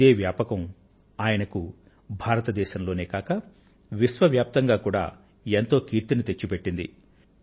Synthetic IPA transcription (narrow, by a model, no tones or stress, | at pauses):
eːʋjaːpɐkɐm | aːjɐnɐku | bʱaːɾɐt̪ɐd̪ɛːʃɐmlo̞ːneːkaːkɐ | ʋisʋɐʋjaːp̚t̪ɐŋɡaːkuːɽa̰ː | ent̪o̞ːkiːɾt̪init̪e̞t͡ʃːupe̞ʈːind̪ḭ